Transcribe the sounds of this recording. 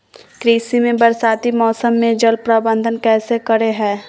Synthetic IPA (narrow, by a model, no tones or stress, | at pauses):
kɾiːsimẽbɐɾsaːt̪imɔːsəmːẽd͡ʒəlpɾabə̃nd̪ʱənkɛːsekɐɾeɦɛ̃ː